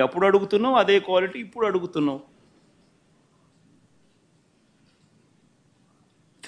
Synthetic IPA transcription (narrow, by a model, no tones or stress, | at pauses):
ɐpːuɽuɐɽuɡut̪unːɐɐd̪e̞ːkʋaːliʈiːpːuɽuɐɽuɡut̪unːɐ | t̪ʰ